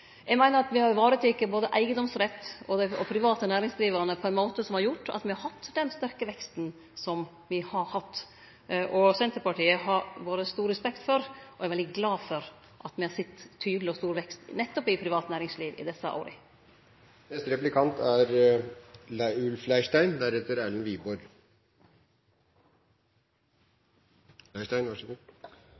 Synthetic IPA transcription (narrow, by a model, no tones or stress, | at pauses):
jɛɡmæɪnəɾɑt̪ʋɪhɑɾʋɑːɾət̪ɪkːəboːd̪əʔæɪɡəd̪ɔmsɾɛt̪ːɔd̪æɔpʰɾɪʋɑːt̪ənæːɾɪŋsliːʋəɾnəpʰɔɛɪnmoːt̪əsɔmhɑɾjʊʈːɑ̰t̪mɪhɑɾhɑt̪ːd̪ɛnst̪æɾkəʋɛkst̪n | sɔm | ʋɪhɑɾhɑt̪ː | ʔɔsɛnt̪əɾpɑʈiːəɦɑɾboːd̪əst̪uːɾɾəspɛkt̪fɔɾʔɔɛɾʋɛld̪ɪɡlɑːfɔɾ | ʔɑt̪mɪhɑɾsɪt̪ʰːyːd̪lɪɔst̪uːɾʋɛkst̪nɛt̪ːɔpɪpʰɾɪʋɑːt̪næːɾɪŋsliːʋɪ̰d̪ɛsːəʔo̰ːɾɪ̰ | nɛst̪ɾɛplɪkʰɑnt̪æɾ | læʉlflæɪʂʈæɪnd̪æɾɛt̪ːəɾæːɭn̩ʋiːbɔɾ | læɪʂʈæɪnʋɑʂɛ